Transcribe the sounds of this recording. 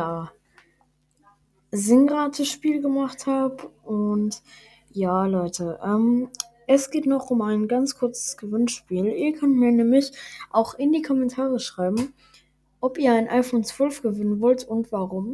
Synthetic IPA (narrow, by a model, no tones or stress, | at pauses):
jaː | zɪŋʁaːtʰəʃpiːlɡəmaχthaːpʔʊnt | jaːlɔʏtʰəʔɛːm | ʔɛsɡ̥eːtnɔχʊmaɪnɡant͡skʰʊɐt͡sə̥sɡ̥əvɪnʃpiːliːɐkʰœntmiːɐnɛːmlɪçʔaʊxɪndiːkʰɔmɛntʰaːʁəʃʁ̥aɪbm̩ | ʔɔpiːɐaɪnʔaɪfoːnt͡sv̥œlfɡ̥əvɪnənvɔltʊntv̥aʁʊm